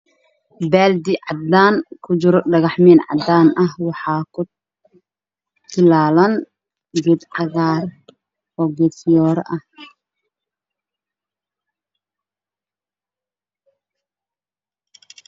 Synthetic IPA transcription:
bɛːld̪ɪʕɑd̪aːnkʰʊd͡ʒɪɾɔɖɐɣɑħmɛːnʕɑ̰d̪aːnʔɐɦwɑħɑːkʰʊ | t̪ɪlaːlɐn | ɡɛd̪ʕɑɣaːr | ɔːɡɛd̪jɔːɾʔɐh

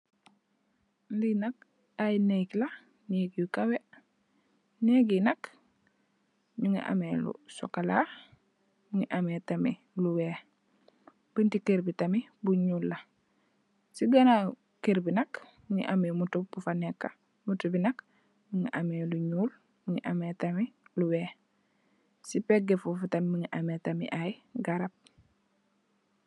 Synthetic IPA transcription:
linak̚ | ajnekla | neɡijkawe | neɡinak | ɲuŋḭʔa̰melṵso̰kala̰ | muŋiʔametamḭ | luweː | b̥intikeɾbitamibuɲuːlːa | siɡɐna | keɾbinɐk | muŋḭʔamemutubufanekːa | mutubinɐk | miŋḭʔameluɲuːl | muŋḭʔameːtamiluweː | sipeɡefufutɐmmiŋiʔametamḭʔajɡaɾap̚

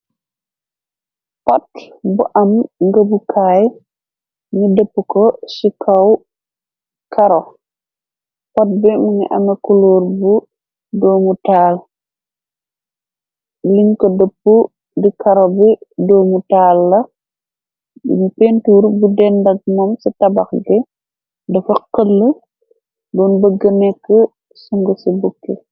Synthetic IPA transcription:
pat | buʔɐmŋɡabukʰaj | ŋidəpːukɔsikʰaw | kʰaɾɔ | pat̚bɛmuŋḭʔa̰ŋakuloːɾbu | doːmutaːl | liŋkɔdəpːu | dikɐɾɔbɛdɔːmutaːlːɐ | bṵmpentuːɾbudɛndɐɡ̚mɔmsitɐbɐxɡɛ | dɐfɐqəlːə | dɔːnbəɡənɛkːə | suŋɡəsibukːe

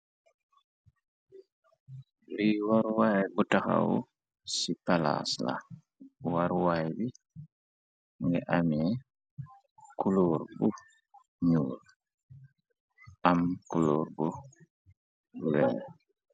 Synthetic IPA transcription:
wiwaɾwajbutaxa̰wṵ | sipala̰sla̰ | waɾwajbi | ŋɡɛʔamiɛ | kuloːɾbu | ɲuːl | amkuloːɾbu | wɛː

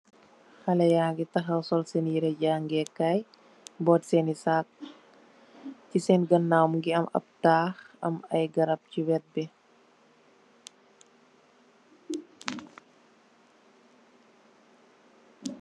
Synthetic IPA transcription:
hɐlɐjaːŋɡitɐxɐwsɔlsenjiɾɛɟaːŋɡɛkaj | bɔːtsɛnisak̚ | cisɛnɡɐnːawmŋɡiɐmɐ̰p̚taːxɐ̰mɐjɡɐɾɐp̚ciwɛt̚bɛ

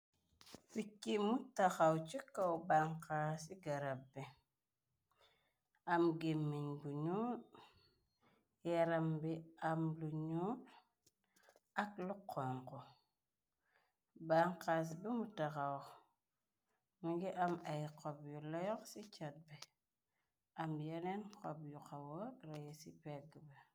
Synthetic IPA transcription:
pikːimutaxawt͡ʃikːawbaŋkasiɡaɾabːe | amɡemːiɲbuɲuː | jaɾambiamluɲut | aklukʰːoŋko | baŋkas̬bimutakawɔk | muɡiʔamajkobjulajɔksit͡ʃat̚be | amdjanenkobjukawoɾajesipeɡbe

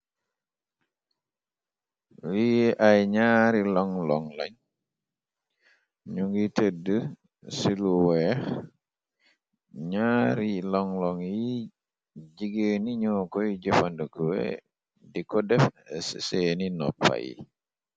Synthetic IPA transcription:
wiʔajɲaːɾilɔŋlɔŋlɔ̰ɲ | ɲuŋɡitedə | siluwɛx | ɲaːɾilɔŋlɔŋji | ɟiɡəːniɲɔːkɔjɟɔfandəkuwɛ̰ | dikɔdɛfsseninɔ̰pːa̰jḭ

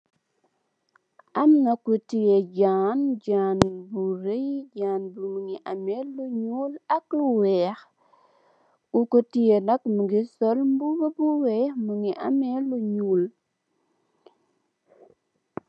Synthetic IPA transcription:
amnakutijed͡ʒand͡ʒanbuɾejd͡ʒanbumuŋiʔamelːuɲulakluwɛx | ukotijenakmuɡisolmbubobuwemuŋiʔa̰meluɲul

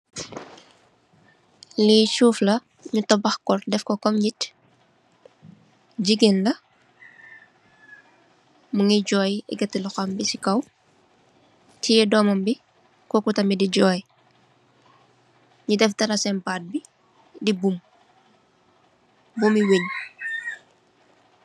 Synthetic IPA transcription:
lit͡ʃuːflɐ | ɲutɔbɐxkɔrdɛfkɔkɔmɲit | ɟiɡenlɐ | muŋiɟɔːjɛ̰ɡɐtːilɔxɐmbisikɐw | tʰijɛdɔːmɐmbi | kɔkutɐmidiɟɔːj | ɲudɛftɐɾɐsɛnpaːt̚bi | dibum | bumiweɲ

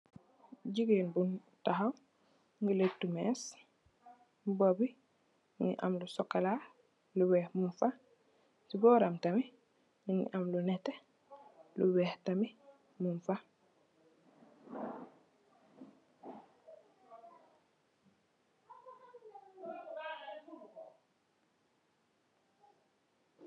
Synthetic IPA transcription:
ɟiɡeːnbun | taɦaw | ŋɡuletːumɛːs | bobi | ɲiʔa̰mlusɔkːala | luwɛːhmunfa | sibɔːɾamtami | iɲḭʔamlunɛtːe | luwɛːhtami | munfa

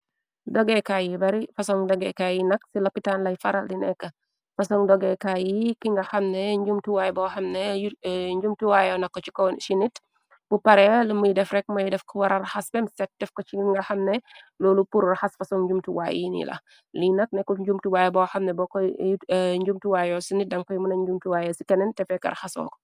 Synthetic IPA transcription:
dɔɡɛkajibɐɾifɐsɔŋdɔɡɛkajinɐksilɐpitanlɐjfɐɾɐldinɛkːɐ | fɐsɔŋdɔɡɛkajikiŋɡɐxɐmnɛɲɟumtuwajbɔxɐmnɛɲɟumtuwajɔnɐkːɔt͡ʃi̥kɔʃinit | b̥upɐɾɛlmujdɛfɾɛk̚mɐjdɛfkɔwɐɾɐɾxɐsbɛmsɛt̚dɛfkɔt͡ʃiŋɡɐxɐmnɛ | lɔːlupuɾrɐxɐsfɐsɔŋɲd͡ʒumtuwa̰jinḭlɐ̰ | linɐk̚nɛkːɔɲd͡ʒumtuwajɛbɔxɐmnɛbɔkɔ | ɲɟumtuwajɔsinit̚dɐŋkɔjmunɐɲd͡ʒumtuwajɛsikɐnɛntɛfɛkɐ̰ɾxɐsɔ̰ːkɔ̥

